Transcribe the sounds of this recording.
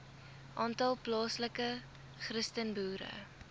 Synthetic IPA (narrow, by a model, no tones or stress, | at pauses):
ʔɑːntɐlˠplɑːsləkə | χrəstənbuːɾə̰